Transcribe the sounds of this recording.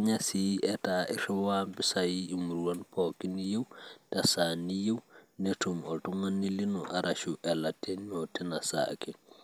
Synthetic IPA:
ɲasiɛtaʔɛ̰ɾɛwambisajiimuɾwanpɔkinijewtasanijewnetumɔltuŋanːilinɔʔaɾʔaʃuʔɛlatɛnɔtɛnasa̰kɛ

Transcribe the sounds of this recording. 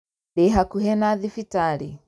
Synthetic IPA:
dɛɦakuɦɛnaðifitaɾi

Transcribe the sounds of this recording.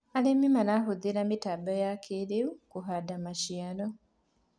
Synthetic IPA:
alemimanahuðiɾamitabajakʰeɾeukuɦadamaʃjano

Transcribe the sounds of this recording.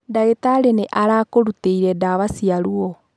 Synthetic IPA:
daetaɾeneʔaɾaːkoɾuteiɾɛdaβasiaɾuɔ

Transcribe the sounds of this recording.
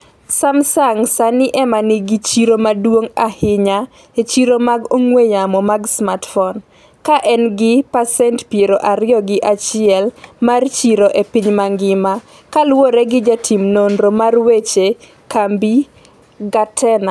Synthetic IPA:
samsaŋsanɪʔɛmanɪɡɪt͡ʃiɾomadwoŋahɪɲa | et͡ʃiɾomaɡoŋwejamɔmaɡsmatfɔn | kaʔɛnɡɪpasɛntpjeɾoʔaɾɪɔɡɪʔat͡ʃɪɛlmart͡ʃiɾoʔepɪɲmaŋɡɪma | kalwoɾeɡɪd͡ʒatʰimnondɾomarwet͡ʃe | kambi | ɡatʰɛna

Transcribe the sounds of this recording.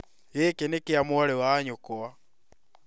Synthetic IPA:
ɣekenekeamoaɾewaːɲokoa

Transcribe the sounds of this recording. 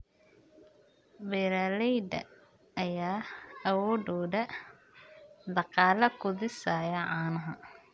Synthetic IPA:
bɛɾɐlɛjd̪ɐ̰ | ɐjaːɐwɔːɖɔːdɐ | d̪ɑqɑːlɐkʰʊd̪ɪsaːjɐʕɑːnɐɦɐ

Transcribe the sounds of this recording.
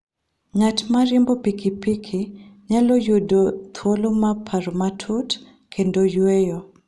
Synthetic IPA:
ɲatmaɾembopikipikʰiɲalojodot̪ʰwolomapʰaɾmatʰut | kʰendojwejo

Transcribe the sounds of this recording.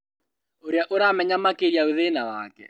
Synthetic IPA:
oɾeaʔoɾamɛɲamakeɾjaeðenawaːkɛ̰

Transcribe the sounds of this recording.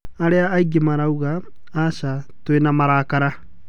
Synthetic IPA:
aɾeaːiɡemaɾauɣaː | ʃa | twenamaɾaːkaɾa

